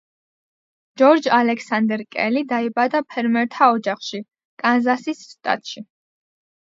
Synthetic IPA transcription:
d͡ʒɔɾd͡ʒalɛksand̪ɛɾkʼɛ̰lid̪aibad̪apʰɛɾmɛɾt̪ʰaɔd͡ʒaχʃi | kʼanzasisːt̪ʼa̰t̪ʼʃi

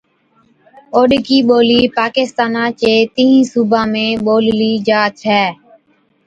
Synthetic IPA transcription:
oːɗkiːɓoːliːpaːkɪst̪aːnãːt͡ʃeːt̪ĩːɦĩːsuːbãːmẽːɓoːlliːd͡ʒaːt̪ɦɛː

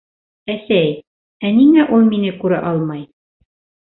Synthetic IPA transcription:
æsæj | æniŋæʔulˠminɘkʉɾɘ̰ʔɑlˠmɑj

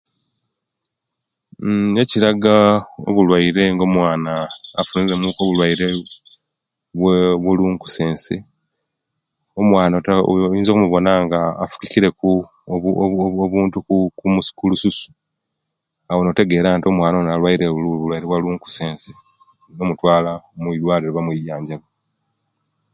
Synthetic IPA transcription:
eciɾaɡao̞̰βulwaiɾe̞ŋɡo̞mwaːnaːfuniɾe̞mukoβulwaiɾe̞ | βweβuluŋku̥se̞ːnse̞ | o̞mwaːnatajiːnzo̞kumuβo̞naːŋɡaːfu̥kiciɾe̞ku | βuːntukukumuskulususu̥ | awo̞note̞ɡe̞ːɾaːntio̞mwaːnonalwaiɾeuβulwajiɾeβwaluŋku̥se̞ːnse | nomutwaːlaomwilwaːliɾeβamwijaːɲɟaɡo

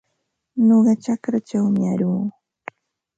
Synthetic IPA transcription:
ɲoɢɑt͡ʃakɾat͡ʃawmɪaɾuː

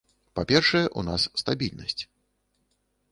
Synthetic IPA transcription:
papʲɛrʂɐjɛʔunasːt̪abʲilʲnɐsʲt͡sʲ

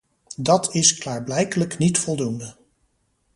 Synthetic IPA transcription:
dɑtʰɪsklaːɹblɛjkələknitfɔlˠdundə

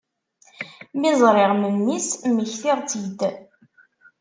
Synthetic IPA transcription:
mɪzˤɾˤɪʁməmːisməçθiʁˤt͡sid̪

